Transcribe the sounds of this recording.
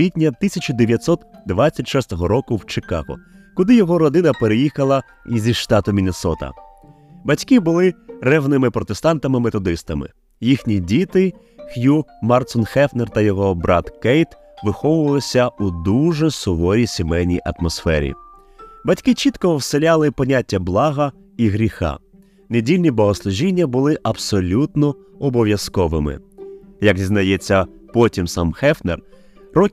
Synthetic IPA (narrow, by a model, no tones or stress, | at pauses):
ʋʲitʲnʲɐt̪ɪsʲɐt͡ʃʊd̪eʋʲjɐt̪sɔt̪d̪ʋat͡sʲːɐtʲʃɔst̪ɔɦɔɾɔkʊwt͡ʃekɑ̰ɦɔ̰ | kʊd̪ɪjɔɦɔɾɔd̪ɪnɐpeɾejixɐlˠɐ | zʲiʃt̪ɑt̪ʊmʲinʲesɔt̪ɐ̰ | bɐtʲkɪbʊlˠɪrɛʋnɪmɪpɾɔt̪e̞st̪ɑnt̪ɐmɪmet̪ɔd̪ɪst̪ɐmɪ̰ | jixnʲidʲit̪ɪ | xjumɑrt̪sɔnxɛfnert̪ɐjɔɦɔbɾʔɑ̰t̪kɛjt̪ | ʋɪxɔʋʊʋɐlˠɪsʲɐud̪uʒɛsʊʋɔɾʲisʲemɛjnʲḭjʔɐt̪mɔsfɛɾʲḭ | bɐtʲkɪt͡ʃit̪kɔɔwselʲalˠɪpɔnʲatʲːɐblˠɑɦɐ | iɦɾʲixɑ̰ | nedʲilʲnʲibɔɦɔslˠʊʒʲinʲːɐbʊlˠɪʔɐpsɔlʲut̪nɔ | ɔbɔʋʲjɐskɔʋɪmɪ̰jɐɡzʲiznɐjɛt͡sʲːɐpɔtʲimsɑmxɛfnḛr | rɔ